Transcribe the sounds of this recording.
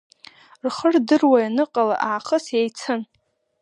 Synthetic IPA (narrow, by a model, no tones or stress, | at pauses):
rχərdɨrwajanɨqʼala̰ʔaːχəsjajt͡sʰɨn